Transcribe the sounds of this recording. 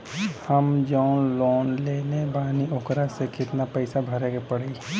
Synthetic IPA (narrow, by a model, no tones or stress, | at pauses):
həmd͡ʒɔːnloːnleːlebaːniʊkɾasekɪt̪napɛɪsabʱəɾeːɡepəɽe